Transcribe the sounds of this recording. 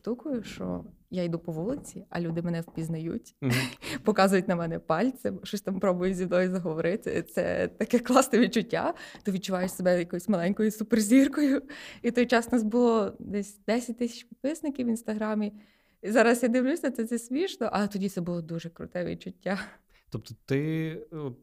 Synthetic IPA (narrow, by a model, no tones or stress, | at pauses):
t̪ukʊjʊʃt͡ʃɔ̰ | jaid̪upɔʋulˠɪt͡sʲiɐ̰lʲud̪ɪmɛnɛwpʲiznɐjṵtʲpɔkɑzʊjʊtʲnɐmɛnɛpɑlʲt̪sɪmʃt͡ʃɔsʲt̪ampɾɔbʊjʊzʲiwnɔjʊzɐɦɔʋɔɾɪt̪ɪ̰t̪sɛ̰t̪ɐkɛklˠɑst̪ɛʋʲid̚t͡ʃʊtʲːa̰t̪ɔʋʲid̪̚t͡ʃʊʋɑjʊt͡ʃʲsebɛjɐkɔjsʲmɐlˠɛnʲkɔjʊsʊperzʲirkɔjʊit̪ɔjt͡ʃɑsnɑsbʊlˠɔd̪ɛsʲd̪ɛsʲɐt̚ʲt̪ɪsʲɐ̥t͡ʃʲpʲit̪̚pɪsnɪkʲiwinst̪ɐɦɾɑmʲi | izɑɾɐsjad̪ɪwlʲusʲɐt̪ɛt̪sɛsʲʋʲiʒnɔʔɐlˠɛt̪ɔdʲit̪sɛbʊlˠɔd̪uʒɛkɾʊ̰t̪ɛʋʲḭd̪̚t͡ʃʊtʲːa | t̪ɔp̚t̪ɔt̪ɪ